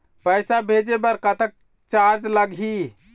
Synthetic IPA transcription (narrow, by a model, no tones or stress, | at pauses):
pəɪsabʱed͡ʒebəɾkət̪ək̚ | t͡ʃaɾd͡ʒləɡʱi